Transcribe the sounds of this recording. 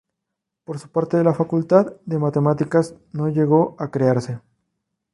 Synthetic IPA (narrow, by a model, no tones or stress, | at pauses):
po̞ɾsu̥paɾt̪e̞ðelafakult̪aðd̪e̞mat̪e̞mat̪ikaz | no̞ʝe̞ɣo̞akɾeaɾse̞